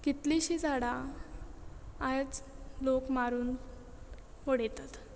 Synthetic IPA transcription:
kit̪liɕiːd͡zaɽa | d͡zlokmaɾuːn | ʋoɽet̪at̪

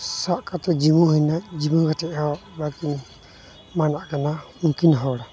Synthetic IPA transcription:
saʔkat̪ɔd͡ʒimuhɛjnad͡ʒimukatɛʔhɔbakin | manaʔkana | uŋkinɦɔwɽa

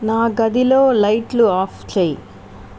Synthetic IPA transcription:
naːɡɐd̪ilo̞ːlɐjʈluaːft͡ʃeːjḭ

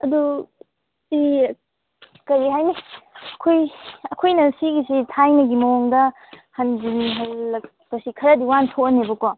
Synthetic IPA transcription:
ɐdu | si | kɐɾiɦajmiɐkʰojɐkʰojnɐsiɡisitʰajnɐɡimɐoŋdɐ | hɐnziniɦajlɐk | pɐsikʰɐɾɐdiwantʰoɐnebɐko

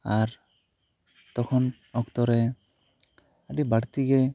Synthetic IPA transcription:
aɾ | t̪ɔkʰɔn | ɔkt̪ɔɾɛ | aɖibaɽt̪iɡɛ

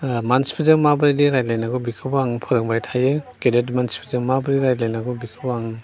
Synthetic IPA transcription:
manspʰizɯŋmabɾidiɾajlajnaɡɔbikʰɯbɔaŋɯpʰɔɾɯŋbajtʰajekedetmanspʰizɯŋmabɾiɾajlajnaɡɔbikʰɯbɔaŋɯn

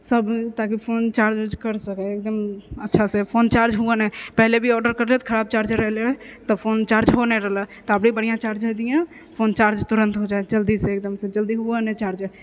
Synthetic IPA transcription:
səbt̪akipʰont͡ʃaɾd͡ʒod͡ʒkəɾsəkɛek̚d̪əmətːʃʰasepʰont͡ʃaɾd͡ʒɦuənɛpɛɦlebʱiɔɖəɾkəɾd͡ʒɛt̪kʰəɾab̚t͡ʃaɾd͡ʒɾɛɦlet̪ɔpʰont͡ʃaɾd͡ʒɦonɛɾəɦlət̪ɔəpɽibəɽ̤ijãt͡ʃaɾd͡ʒɛd̪ijã | pʰont͡ʃaɾd͡ʒt̪uɾə̃nt̪ɦod͡ʒaed͡ʒəld̪iseek̚d̪əmsẽd͡ʒəld̪iɦuənɛt͡ʃaɾd͡ʒ

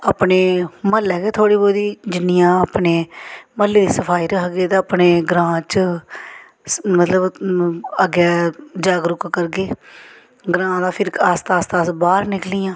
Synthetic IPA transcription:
aːpneːməlɛːɡeːt̪ʰoːɽiːboːd̪iːd͡ʒɪnːɪjãːpneːməlːeːd̪iːsəpʰaːiːɾəɦɡeːt̪eəpneːɡɾãːt͡ʃə | mət̪ləb | əɡɛːd͡ʒaːɡɾʊkkəɾɡeː | ɡɾãːd̪aːpʰɪɾkaːst̪aːst̪aːsbaːɾnɪklɪjãː

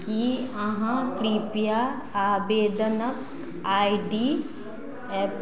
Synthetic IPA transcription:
kiɐɦãkɾiːpja | aːbeːd̪ənək | aːiɖiː | ɛːp

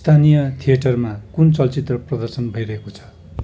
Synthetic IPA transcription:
st̪ʰanijʌt̪ʰijeʈʌrmakunt͡sʌlt͡sit̪rʌprʌd̪ʌrsʌnbʱʌiɾʌɦekot͡sʰʌ̥

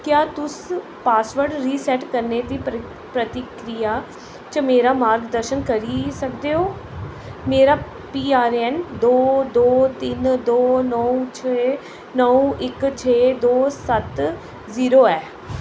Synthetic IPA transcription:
kjaːt̪ʊs | paːsʋəɾɖɾiːsɛːʈkəɾneːt̪iː | pɾət̪ɪkɾijaː | t͡ʃəmeːɾaːmaːɾɡd̪əɾʃənkəɾiːsək̚d̪eːoː | meːɾaː | piːaːɾɛːnd̪oːd̪oːt̪ɪnd̪oːnɔːũt͡ʃʰeː | nɔũʔɪkt͡ʃʰeːd̪oːsət̪ | ziːɾoːɛː

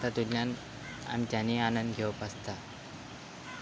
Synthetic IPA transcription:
t̪ad̪uljan | a̰mit̪janianənd̪ɡʱeʋəpəst̪a

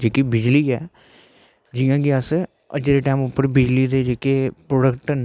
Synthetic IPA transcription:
d͡ʒeːkiːbɪd͡ʒliːɛː | d͡ʒɪjãːɡeəs | ə̰d͡ʒɾeːʈɛːmʊpːəɾbɪd͡ʒliːd̪eːd͡ʒeːkepɾoːɖəkʈn

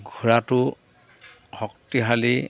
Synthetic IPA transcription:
ɡʱuɹatʊ | hɔk̚tiɦali

